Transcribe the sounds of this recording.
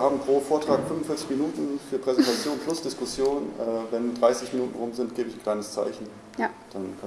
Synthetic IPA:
haːbm̩pʁ̥oːfoːɐtʁ̥aːkfʏnvʊn̩fɪɐt͡sɪçminuːtn̩fyːɐpʁ̥ɛzɛntʰat͡sjoːnpʰlʊsd̥ɪskʊsjoːnʔɛːvɛndʁaɪsɪçminuːtn̩ʁʊmzɪntɡ̥eːbəɪçn̩kʰl̥aɪnəst͡sa̰ɪçn̩ | d̥ankʰa

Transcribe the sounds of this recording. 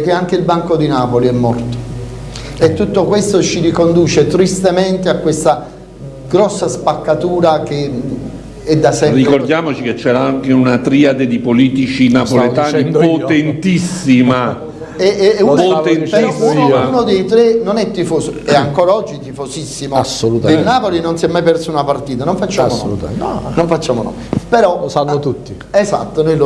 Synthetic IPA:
k̟ːeaŋk̟eilbaŋkod̪inaːpoliɛmːɔrt̪o̥ | et̪ːut̪ːokwest̪ot͡ʃiɾikond̪uːt͡ʃet̪ɾist̪ement̪eakːwest̪a | ɡɾɔsːaspakːat̪uːɾak̟e | ɛd̪ːasɛrikord̪jaːmot͡ʃiket͡ʃːɛːɾaaŋkeunat̪ɾiad̪ed̪ipoliːt̪it͡ʃinaollet̪aːnipot̪ent̪isːima | ɛunoenpeɾɔsːiaunod̪ejt̪ɾenonɛt̪ːifoːsoɛaŋkɔːɾaɔd͡ʒːit̪ifosisːimosolut̪ainːaːpolinonsjɛmːajpɛrsunapart̪iːt̪̬anoɱfat͡ʃːaːmonṵnoɱfat͡ʃːaːmonɔ̰ | peɾɔsanːot̪ut̪ːi | ɛsat̪ːonojlo

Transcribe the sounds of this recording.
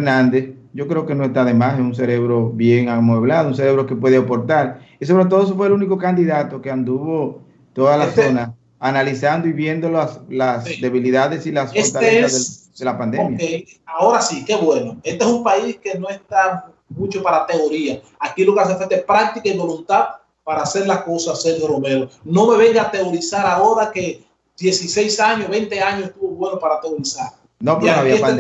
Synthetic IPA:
eɾnãnd̪e̞s | ʝo̞kɾe̞oke̞no̞est̪aðe̞masesuŋs̬e̞ɾe̞βɾo̞βje̞ŋamwe̞βlaðouŋs̬eɾe̞βɾo̞ke̞pwe̞ðeopo̞ɾt̪aɾisoβɾet̪oðoesofweluniko̞kand̪iðat̪o̞keand̪uβo̞ | t̪o̞ðalasso̞nas | analisand̪oiβje̞nd̪o̞laslasd̪e̞βiliðaðe̞silasfot̪aleesaðed̪e̞lapand̪emjaeao̞ɾasike̞βwe̞noest̪eesumpaiske̞no̞e̞st̪a | mũt͡ʃopaɾat̪e̞o̞ɾia | akilo̞keas̬efet̪eehpɾak̚t̪ikaiβo̞lunt̪að | paɾaːse̞ɾlako̞saseɾhjorome̞ɾono̞me̞βe̞ŋɡat̪e̞o̞ɾisaɾao̞ɾake̞ | d̪̥je̞sise̞jsaɲoβe̞nt̪e̞aɲoseht̪uβo̞βwe̞nopaɾat̪e̞o̞ɾisaɾ | nopɾaaβie

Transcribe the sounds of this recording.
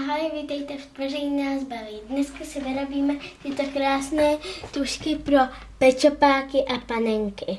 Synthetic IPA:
ɦalɪvit̪ɛjt̪ɛvɛrɛjnaːzbaliːdnɛskasɪvɪɾobiːmɛt̪ɪt̪okɾaːsnɛːt̪uʃkɪpɾo | pɛt͡ʃopaːkɪʔapanɛŋkɪ

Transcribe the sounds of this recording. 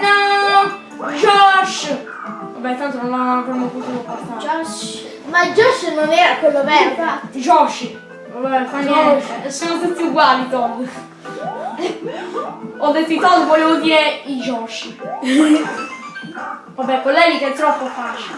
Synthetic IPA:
a | d͡ʒɔʃ | vabːɛt̪ːant̪onõnlaaveɾmopot̪ut̪opːɔɾt̪a | mad͡ʒɔʃnonɛːɾakwelːobɛaid͡ʒɔʃ | abɛkanoɔʃɛsːɔnot̪ut̪ːiuɡwaːlit̪ɔd̪ | ɔd̪ːet̪ːit̪ɔd̪voɔlevod̪iːɾeid͡ʒɔʃ | vabːɛpɔlːɛlikɛt̪ːɾɔpːofaːt͡ʃ

